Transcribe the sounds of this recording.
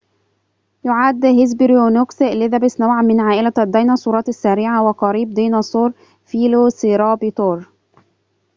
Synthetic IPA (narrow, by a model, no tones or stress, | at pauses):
jʊʕad̪ːhɪzbɪɾjonokslɪðæbɪsnawʕamɪnʕaːʔɪlæad̪ːɑjnɑsˤuːɾɑːt̪asːaɾɪʕawɪqɑɾiːb̚d̪ijnɑsˤuːɾ | fiːlosiɾɑːbit̪oːɾˤ